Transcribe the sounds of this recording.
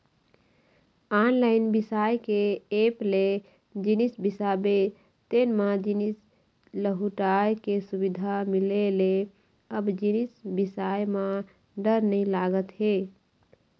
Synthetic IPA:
anlaɪnbisajkeeple | d͡ʒinisbisabe | t̪enmãd͡ʒinis | ləɦuʈajkesubid̪ʱamilele | əbd͡ʒinisbisajmã | ɖəɾnəjlaɡət̪ɦe

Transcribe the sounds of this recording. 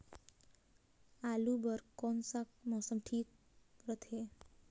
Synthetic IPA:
alubəɾkɔnsak̚mɔsəmʈʰiːk̚ | ɾət̪ʰe

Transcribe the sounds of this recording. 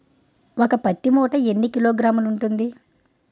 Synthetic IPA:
okɐpɐt̪ːimɔːʈɐenːikilo̞ːɡɾaːmuluɳʈund̪i

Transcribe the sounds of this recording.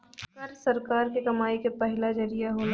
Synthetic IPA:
ɐɾsɐɾkaːɾkekɐmaːikepɛɦlad͡ʒɐɾijaɦoːn

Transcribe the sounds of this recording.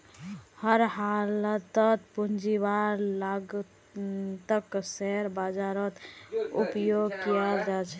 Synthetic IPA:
həɾhalət̪ət̪pund͡ʒibaɾlaɡ | t̪əksɛɾbad͡ʒaɾət̪upjoɡkijald͡ʒat͡ʃʰɛ

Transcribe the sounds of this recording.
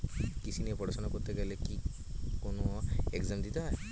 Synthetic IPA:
kisʰiniɛpɔɽsɔnakɔɾt̪eɡɛleki | konoekzamd̪it̪a

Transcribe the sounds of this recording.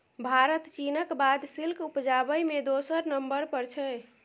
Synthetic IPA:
bʱaɾət̪t͡ʃinəkbad̪silkupd͡ʒabəjmed̪osəɾnəmbəɾpəɾt͡ʃʰɛ

